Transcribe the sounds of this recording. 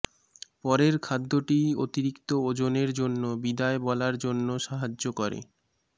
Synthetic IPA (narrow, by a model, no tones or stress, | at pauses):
pɔɾeɾkʰad̪ʱːoʈiot̪iɾikt̪ood͡ʑoneɾd͡ʑonːobid̪aebɔlaɾd͡ʑonːoʃaɦad͡ʑokɔɾḛ